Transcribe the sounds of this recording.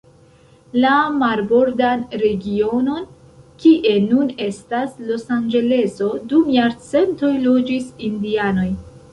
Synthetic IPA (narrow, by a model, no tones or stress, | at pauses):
lamaɾbo̞ɾdanɾe̞ɡio̞no̞n | kiʔe̞nune̞staslo̞sand͡ʒe̞le̞so̞dumjaɾt͡se̞nto̞jlo̞d͡ʒisindiano̞j